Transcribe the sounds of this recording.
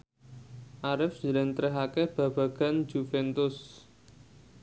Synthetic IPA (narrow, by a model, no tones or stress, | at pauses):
ʔaɾɪfd͡ʒəlɛnt̪ɾɛɦakɛhb̥ä̤b̥ä̤ɡ̥a̤nd͡ʒ̥ufɛnt̪ʊs